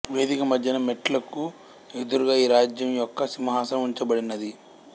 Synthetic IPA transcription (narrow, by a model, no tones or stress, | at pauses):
ʋe̞ːd̪ikɐmɐd̪jɐnɐmeʈlɐku | ed̪uɾuɡaːiːɾaːd͡ʒjɐmjɔkːɐsimɐɦaːsɐmuɲt͡ʃɐbɐɽinːɐd̪i